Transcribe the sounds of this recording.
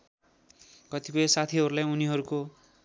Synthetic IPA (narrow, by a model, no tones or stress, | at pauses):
kʌt̪ipujesat̪ʰiɦʌɾulajuniɦʌɾuko